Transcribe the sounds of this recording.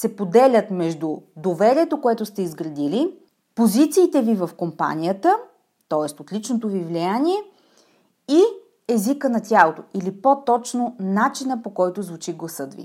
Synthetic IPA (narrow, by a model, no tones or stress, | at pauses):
sɛpod̪ɛlʲət̪mɛʒd̪ud̪ovɛɾiɛt̪okoɛt̪ʊst̪ɛizɡɾɐd̪ili | pozit̪siːt̪ɛvivɐfkompa̰nʲijət̪ə | t̪ɔɛst̪ot̪lit͡ʃnot̪ovivlijanʲiɛ | i | ɛzikənɐt̪ʲjalˠot̪oilipot̪ɔt͡ʃnonat͡ʃinəpokɔjt̪ozvut͡ʃiɡlˠɐsɤt̪vḭ